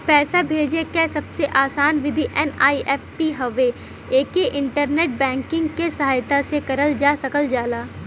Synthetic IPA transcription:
pɛːsabʱeːd͡ʒekɛsɐbseʔaːsaːnʋɪd̪ʱiʔɛːna̰ːiʔɛːpʰʈiɦɐʋe | eːkeʔɪ̃ɳʈəɾneːʈ̚bɛ̃ːŋkɪ̃ŋɡkesɐɦaːjt̪asekɐɾəld͡ʒaːsɐkəld͡ʒaːlaː

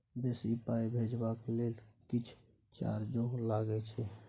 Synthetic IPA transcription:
besipaibʱed͡ʒbakelelkɪt͡ʃʰ | t͡ʃa̰ɾd͡ʒõlaɡɛt͡ʃʰɛ

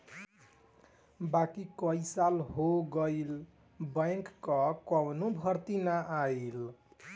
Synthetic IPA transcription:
bakikʌisalɦoɡʌil | bəjŋkːʌkʌwnobʱʌɾt̪inaʔail

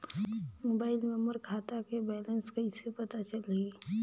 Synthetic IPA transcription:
mobaːɪlmeməɾkʰat̪akebɛlənskəisepət̪at͡ʃəli

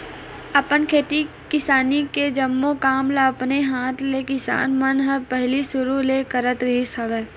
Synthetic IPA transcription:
ɐpənkʰeːʈ̪i | kɪsaːniked͡ʒɐmːokaːmlapneɦaːt̪ʰlekɪsa̰ːnmənɦəpɛɦlisʊɾuleːkəɾət̪ɾɪɦisɐʋeː

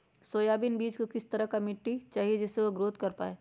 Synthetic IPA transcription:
soːjaːbɪnbiːd͡ʒkokɪst̪ɐɾəɦkamɪʈːit͡ʃaːɦied͡ʒɛsːeʋoɡɾoːt̪kɐɾpa̰ːeː

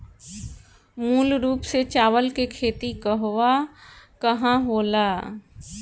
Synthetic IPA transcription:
muːlɾuːpset͡ʃaːʋəlkekʰeːt̪ikɐɦoʋakɐɦãɦoːlaː

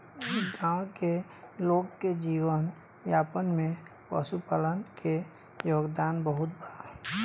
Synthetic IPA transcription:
ɡãw̃ke | loːkːed͡ʒiwən | japənmẽpə̰supalənke | joːɡd̪aːnbəɦʊt̪̚ba

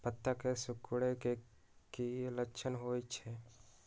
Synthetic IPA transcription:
pət̪ːəkesʊkɽeke | kiləkːʃʰənɦoit͡ʃʰɛ

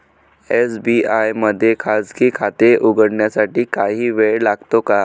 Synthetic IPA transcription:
esbiajməd̪ʱːjekʰad͡zkiːkʰat̪eʔuɡəɽɳjasaʈiːkaɦiːʋeɭlaɡt̪oka

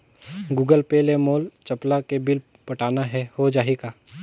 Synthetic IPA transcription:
ɡuːɡəlpeːlemoːlt͡ʃɐplakebɪl | pɐʈaːnaɦɛhod͡ʒaːɦekaː

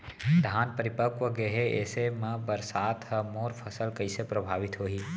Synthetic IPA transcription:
d̪ʱaːnpəɾɪpəkʋəɡeɦeḛːsemə̃bəɾsaːt̪ɦəmoːɾpʰəsəlkɐisepɾəbʱaːʋɪt̪ɦoːɦiː

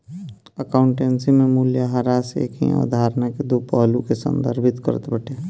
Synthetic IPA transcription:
əkaʊɳʈensimẽmuːljaɦaɾasḛkʰḭɔ̰d̪ʱaːɾnaked̪upəɦlukesə̰̃nd̪ʱə̰ɾbʱit̪kə̰ɾət̪bəʈe

